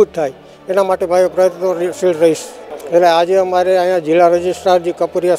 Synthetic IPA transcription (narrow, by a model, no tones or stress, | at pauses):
ut̪ʰaj | enamaʈebʱajopɾəjət̪nosiɽɾəɦiʃeʈlead͡ʒeəmaɾeãjãd͡ʒilːaɾəd͡ʒisʈɾaɾd͡ʒikəpuɾija